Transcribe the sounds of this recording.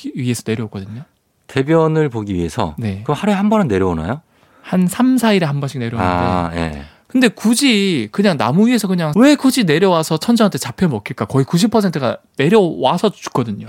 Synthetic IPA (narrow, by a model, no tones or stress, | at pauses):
ɥie̞sʰʌne̞ɾjʌok͈ʌdɯɲo | te̞bjʌnɯɭpoɡiɥie̞sʰʌ̰ne̞kɯmhaɾuehambʌnɯnːe̞ɾjʌona̰jo | hansʰamsʰaiɾehambʌnɕʰi̥ne̞ɾjʌnadejḛ | kɯnde̞kud͡ʑikɯɲaŋnamuɥie̞sʰʌkɯɲaŋwe̞kud͡ʑine̞ɾjʌwasʰʌt͡ɕʰʌnd͡ʑʌŋantʰet͡ɕapʰjʌmʌkʰiɭk͈akʌikuɕ̬ʰipʰʌsʰentʰɯɡa̰ne̞ɾjʌwasʰʌt͡ɕu̥k͈ʌdɯɲo